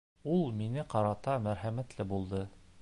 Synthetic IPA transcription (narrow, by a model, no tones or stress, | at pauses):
ulˠminɘqɑɾɑt̪ɑmæɾɦæmæt̪lɘbulˠd̪ɤ